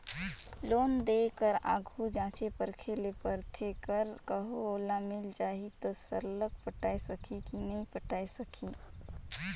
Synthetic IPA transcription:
loːnd̪ekəɾa̰ːɡʱud͡ʒãːt͡ʃepəɾkʰelepəɾt̪ʰeːkəɾkəɦooːlamɪld͡ʒaːɦit̪osəɾlək̚pəʈaːesəkʰikinəɦĩpəʈaːesəkʰiː

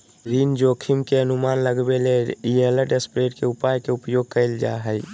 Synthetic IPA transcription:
ɾind͡ʒoːkʰimkeənʊmaːnləɡbeleieləʈespɾeʈkeʊpajkeʊpjoɡ̚kəɪld͡ʒa̰ɦəj

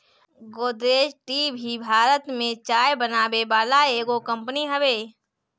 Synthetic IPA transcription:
ɡoːd̪ɾeːd͡ʒʈiːbʱibʱaːɾət̪mẽt͡ʃaːjbənaːbebaːlaeːɡokə̃mpniɦəʋeː

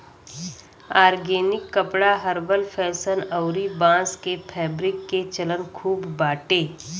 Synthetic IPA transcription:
aːɾɡeːnɪkːəpɽaɦəɾʋəlpʰɛːsənəʊɾibãːskepʰɛːbɾɪkːet͡ʃələnkʰuːbːaːʈeː

